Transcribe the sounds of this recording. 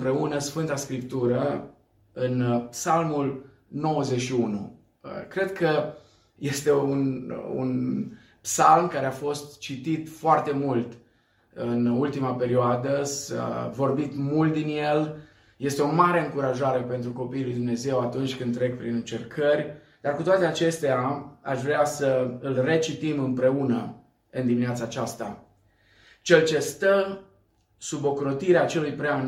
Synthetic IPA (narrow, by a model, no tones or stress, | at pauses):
mpɾe̞unəsfɨnt̪askɾipt̪uɾə | ɨnpsalmul | no̞wəze̞ʃiunu | əkɾe̞d̪kʰə | je̞st̪e̞unṵn | psalmkaɾe̞afo̞st̪t͡ʃit̪it̪foart̪e̞mult̪ | ɨnult̪imape̞ɾioad̪əsa̰vo̞rbit̪mult̪̚d̪inje̞l | je̞st̪eo̞maɾe̞ɨŋkuɾaʒaɾe̞pe̞nt̪ɾuko̞pijilujd̪umne̞ze̞wat̪unt͡ʃʲkɨnd̪t̪ːɾe̞k̚pɾinɨnt͡ʃe̞rkʰərʲ | d̪arkut̪oat̪e̞at͡ʃe̞st̪eaa̰ʃvɾeasəɨlre̞t͡ʃit̪imɨmpɾe̞unə | ɨnd̪imineat̪saːt͡ʃast̪a | t͡ʃe̞lt͡ʃe̞st̪ə | subo̞kɾo̞t̪iɾeat͡ʃe̞lujpɾea